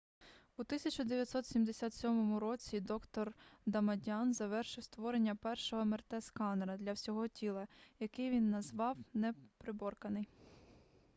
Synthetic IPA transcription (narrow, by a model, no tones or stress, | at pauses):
ut̪ɪsʲɐt͡ʃʊd̪eʋjɐt̪ʲsɔt̪sʲimd̪esʲat̪sʲɔmɔmʊɾɔt͡sʲid̪ɔkt̪ɔrd̪ɐmɐdʲɑnzɐʋɛrʃɪwst̪ʋɔɾenʲːɐpɛrʃɔɦɔmert̪ɛskɑnɾɐd̪lʲɐwsʲɔɦɔtʲilˠɐjɐkɪjʋʲinːɐzʋɑwnɛpɾɪbɔrkɐnɪj